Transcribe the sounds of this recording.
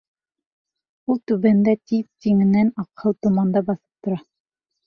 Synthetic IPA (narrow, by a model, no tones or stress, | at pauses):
ulˠt̪ʉβænd̪æt̪iðt̪iŋɘ̆nænɑqhɤwt̪ŏmɑnd̪ɑbɑθɤ̥p̚t̪ŏɾɑ